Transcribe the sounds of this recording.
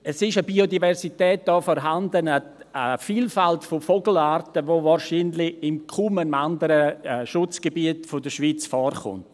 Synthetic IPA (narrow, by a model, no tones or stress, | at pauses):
ɛsɪʃəbiodivɛɾsitɛːt̚d̥ɔːfɔɾɦandənə | əfiːlfaltfofoɡl̩aːɾtəʋovaːɾʃiːnlɪɪmkʰuməandəɾəʃʊt͡sɡ̥ebiətfʊdəʃʋiːt͡sfɔːrχʊ̰nt